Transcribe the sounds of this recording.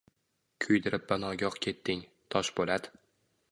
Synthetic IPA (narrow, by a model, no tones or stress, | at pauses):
kʲʰʊjd̪ɪɾɪp̚banɒɡʲɒqkʲʰe̞t̪ʰːɪŋ | t̪ʰɒʃbolad̪ɪ